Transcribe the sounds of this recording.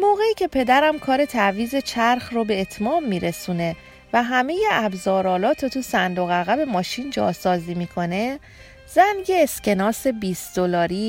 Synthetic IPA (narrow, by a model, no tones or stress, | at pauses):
moːɣe̞iːcʰe̞pʰe̞d̪æɾæmkʰɒːɾe̞t̪ʰæviːze̞t͡ʃʰæɾxrobe̞ːt̪ʰmɒːmːiːɾe̞suːne̞ | væɦæme̞je̞ʔæbzɒːɾɒːlɒːt̪ʰot̪ʰusænd̪oɣæɣæbe̞mɒːʃind͡ʒɒ̰ːsɒːziːmiːkʰo̞ne̞ | z̥ænjeːscʰe̞nɒːse̞biːsd̪̥olɒːɾiː